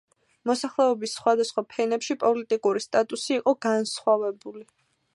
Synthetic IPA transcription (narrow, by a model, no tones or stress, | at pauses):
mɔsaχlɛɔbisːχwad̪asχwapʰɛnɛpʃipʼɔlit̪ʼikʼuɾist̪ʼat̪ʼusiːqʼɔɡansχwavɛbuli